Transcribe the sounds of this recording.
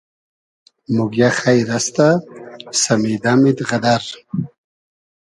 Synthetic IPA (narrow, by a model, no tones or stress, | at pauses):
muɡjaxajɾast̪asamid̪amid̪ʁad̪aɾ